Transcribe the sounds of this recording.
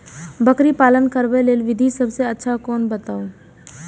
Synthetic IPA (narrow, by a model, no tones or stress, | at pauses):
bəkɾipaːlənkəɾbeleːlʋɪd̪ʱisɐbseɐtːʃʰakɔːnbɐt̪aːoː